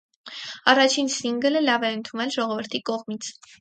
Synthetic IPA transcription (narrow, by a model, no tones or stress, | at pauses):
ɑrɑt͡ʃʰinsiŋɡələlɑvɛənt̪ʰunɛlʒɔʁɔvəɾt̪ʰikɔʁmit͡sʰ